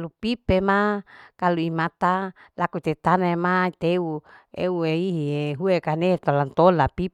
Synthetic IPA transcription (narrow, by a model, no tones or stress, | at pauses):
lupipemakaluimat̪alakut̪et̪anaemait̪euḛueiɦieɦuekanet̪olant̪olapi